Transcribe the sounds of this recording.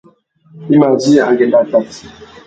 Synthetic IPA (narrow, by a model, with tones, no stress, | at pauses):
i˦ma˨d͡ʒi˦a̰˨ɡɛ˨nda˨ta˨t